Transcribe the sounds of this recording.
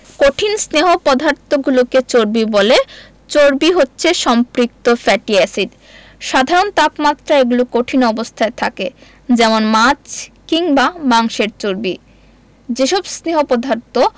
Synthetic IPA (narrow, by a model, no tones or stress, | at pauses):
koʈʰinsneɦopɔd̪ʱaɾt̪oɡuloket͡ɕoɾbibole | t͡ɕoɾbiɦotːɕʰeʃɔmpɾik̚t̪ofɛʈiɛsiɖ | ʃad̪ʱaɾont̪apmat̪ːɾaeɡulokoʈʰinɔbost̪ʰaet̪ʰake | d͡ʑɛmonmat͡ɕkiŋbamaŋʃeɾt͡ɕoɾbi | d͡ʑeʃɔbsneɦopɔd̪ʱaɾt̪o